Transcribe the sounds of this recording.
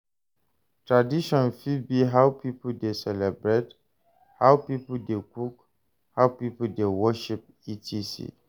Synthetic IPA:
tʰɹadiʃɔ̃nfid̚biɦawpipudesɛlɛbɹet | hawpipudekuk | hawpipudewɔʃip̚ | itʰisḭ

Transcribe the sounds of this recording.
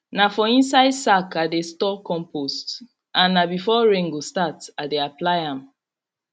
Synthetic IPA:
nafɔĩnsaɪdsakadestɔkɔ̃mpost | ʔãnːabifɔɹẽŋɡostatadeaplaɪãm

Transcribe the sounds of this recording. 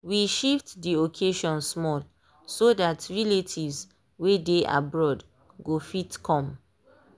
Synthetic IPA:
wiʃiftdiokʰeʃɔ̃nsmɔl | sodatɹiletʰivz | wedeʔa̰bɹɔd | ɡofitkʰɔ̃m

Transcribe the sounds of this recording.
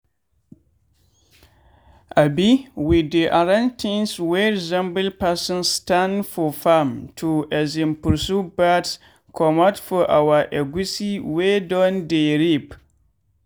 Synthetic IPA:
ʔabiwidiʔaɾãntʰĩnsweɾizɛ̃mbɨlpasɔ̃nstandfɔfamtʰuʔɛzĩmpuɾsubats | kʰɔmɔtfɔʔawaʔɛɡisiwedɔndeɾip

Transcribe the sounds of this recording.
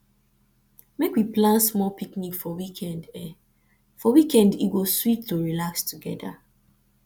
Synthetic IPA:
mekwiplãnsmɔlpiknikfɔwikʰɛ̃ndɛ | fɔwikɛ̃ndiɡoswip̚toɹilakstuɡɛda̰

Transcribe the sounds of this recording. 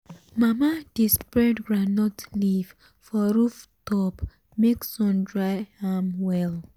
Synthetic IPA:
mamad̥ispɹɛdɹanɔtliv | fɔɹuftɔp | meksɔ̃ndɹaɪhamwɛl

